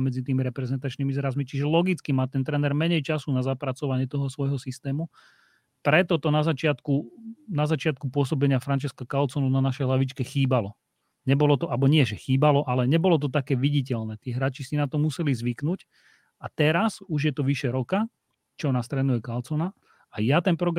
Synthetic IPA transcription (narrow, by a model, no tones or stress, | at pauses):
mɛd͡zit̪iːmiɾɛpɾɛzɛnt̪at͡ʃniːmizɾazmit͡ʃiʒɛlɔɡit͡skimaːt̪ɛnt̪ɾɛːnɛɾmɛɲɛjt͡ʃasunazapɾat͡sɔʋaɲɪɛt̪ɔɦɔsʋɔjɦɔsist̪ɛːmu | pɾɛt̪ɔt̪ɔnazat͡ʃɪat̪kunazat͡ʃɪat̪̚kupʊɔsɔbɛɲɪafɾant͡ʃɛskakalt͡sɔnunanaʃɛjlaʋit͡ʃkɛxiːbalɔ | ɲɛbɔlɔt̪ɔʔabɔɲɪɛʒɛxiːbalɔʔalɛɲɛbɔlɔt̪̬ɔt̪akɛːʋiɟic̬ɛlnɛːt̪iːɦɾaːt͡ʃisinat̪ɔmusɛlizʋiknuc | at̪ɛɾasuʒjɛt̪ɔʋiʃɛɾɔka | t͡ʃɔnast̪ɾɛnujɛkalt͡sɔna | ajat̪ɛnpɾɔɡɾ